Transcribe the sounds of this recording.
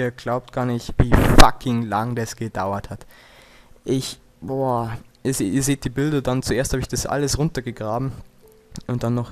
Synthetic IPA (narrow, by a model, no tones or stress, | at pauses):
iːɐɡlaʊp̚t̚ɡ̥aːɐnɪçtviːfakʰɪŋlaŋdasɡ̥əd̥a̰ʊɐthat | ʔɪç | boʔiːɐzeːiːɐzeːt̚d̥iːbɪldɐdant͡suʔeːɐsthaːbəɪçd̥asʔa̰ləsʁʊntɐɡəɡʁaːbm̩ | ʔʊntd̥anːɔχ